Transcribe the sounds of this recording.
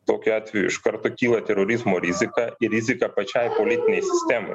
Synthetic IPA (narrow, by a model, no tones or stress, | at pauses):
t̪oːkʲʊɑːt̪ʲʋʲɛjʊ̰ɪʃkɐɾt̪okʲiːlˠɐt̪ʲɛɾoːɾʲɪzmoːɾʲɪzʲɪkɐɪɾʲɪzʲɪkɐpɐt͡ʃʲɛjpolʲɪt̪ʲɪnʲɛɪsʲɪsʲt̪ʲɛmo̰